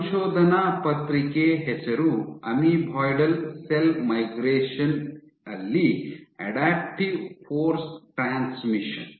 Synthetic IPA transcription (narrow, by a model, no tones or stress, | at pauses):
ʃoːd̪ʱɐnaːpɐt̪ɾikeːɦet͡ʃɐɾuɐ̰mibʱɔːjɖɐlselmɐjɡɾeːʃɐn | ɐlːiɐ̰ɖaːp̚ʈiʋfʰoːɾsʈɾaːnsmiʃɐn